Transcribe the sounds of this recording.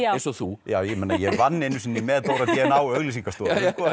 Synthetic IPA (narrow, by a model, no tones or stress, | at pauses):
sɔθujaːwjɛmenajɛɣvanːenːʏsɪnːɪmɛðt̪owɾaðt̪jɛnawœɣlisiŋkast̪ɔːkɔ